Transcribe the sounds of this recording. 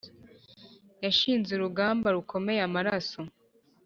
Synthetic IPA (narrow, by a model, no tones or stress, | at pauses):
jaʃiːnzeɾuɡaːmbaɾukʰo̞me̞jamaɾaso̞